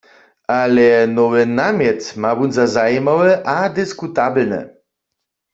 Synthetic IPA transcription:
alɛnɔwɛnamjɛt̪mabunzazajimawɛʔad̪ɪskut̪ablnɛ̰

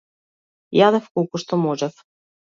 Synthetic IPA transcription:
jad̪ɛfkolˠkuʃt̪ɔmɔʒɛf

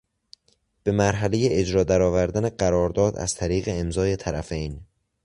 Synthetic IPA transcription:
b̥e̞mæɾɦæle̞jeed͡ʒɾɒːd̪æɾɒːvæɾd̪æne̞ɢæɾɒːɾd̪ɒːd̪ʔæ̰z̥t̪ʰæɾiːɣe̞emzɒːje̞t̪ʰæɾæfejn

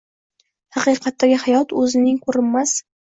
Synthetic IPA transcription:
hɑqɨjqʰɑt̪ːaɡʲɪhajɒt̪ɵzɪnɪŋkʰɵɾɪmːas

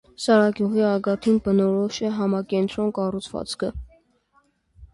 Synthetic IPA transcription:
sɑɾɑɡjuʁiɑɡɑt̪ʰinbənɔɾɔʃɛɦɑmɑkɛnt̪ɾɔnkɑrut͡sʰvɑ̰t͡skʰə

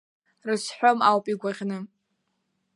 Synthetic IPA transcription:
rɨsħʷᶣomawpʼiɡʷaʁʲnɨ

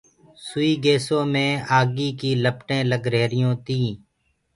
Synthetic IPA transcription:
sʊiːɡeːsõːmẽːaːɡiːkiːləpʈẽːləɡɾeːɾɪjõːt̪ĩː

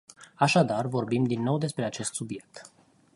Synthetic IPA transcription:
aʃad̪arvo̞rbimd̪inːo̞wd̪e̞spɾe̞at͡ʃe̞st̪subje̞k̚t̪

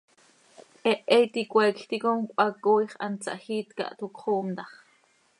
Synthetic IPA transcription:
ʔɛʔɛjt̪ikʷɛkɬt̪ikomkʷɑkojχɑ̰nt͡sa̰ʔxiːt̪ka̰ʔt̪ukχoːmt̪ɑχ

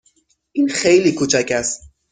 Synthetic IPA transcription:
ʔiːnxejliːkʰuːt͡ʃʰæcʰæst̪̚

